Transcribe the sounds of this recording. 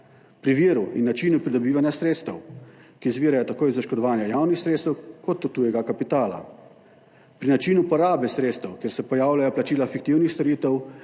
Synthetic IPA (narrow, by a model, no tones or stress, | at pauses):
pɾiʋiːɾuḭnːat͡ʃiːnupɾid̪ɔbiːʋanjasɾeːt̪st̪ɛwkizʋiːɾajɔt̪akoːjzaʃkɔd̪ɔʋaːnjajaːwnixsɾeːt̪st̪ɛwkɔt̪ut̪ːujɛɡakapit̪aːla̰ | pɾinat͡ʃiːnupɔɾaːbɛsɾeːt̪st̪ɛwkjeːɾsɛpɔjaːwlajɔplat͡ʃiːlafik̚t̪iwnixst̪ɔɾiːt̪ɛw